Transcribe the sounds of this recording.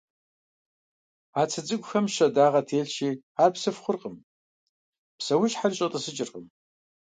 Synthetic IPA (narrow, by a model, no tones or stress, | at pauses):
aːt͡sʰɐd͡zʼɨɡʷʼʊxɐmʃɐdaːʁɐtʰeːɮʃiː | aːrpsɨfχʷʊrqʼəm | psɐwʊɕħarɕʼɐtʼɨsɨt͡ʃʼɪrqʼəm